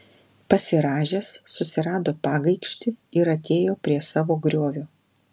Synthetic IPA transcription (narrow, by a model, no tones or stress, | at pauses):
pɐsʲɪɾɑːʒʲeːsːʊsʲɪɾɑːd̪oːpɑːɡɐɪkʃʲt̪ʲɪɪɾɐt̪ʲʰeːjoːpʲɾʲiɛsɑːʋoːɡɾʲoːʋʲoː